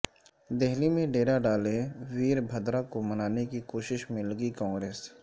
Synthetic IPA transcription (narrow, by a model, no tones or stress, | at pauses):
d̪ɛɦlimẽɖeːɾaɖaːleʋiːɾbʱɐd̪ɾakomɐnaːnekikoːʃɪʃmɪlɡikãːŋɡɾeːs